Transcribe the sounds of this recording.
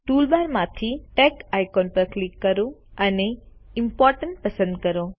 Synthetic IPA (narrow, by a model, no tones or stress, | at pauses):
ʈuːlbaːɾmãt̪ʰiʈeːkaːjkɔːnpɐɾklɪkːɐɾõɐneɪmpɔːɾʈəɳʈ̚pɐsə̃nd̪̚kɐɾoː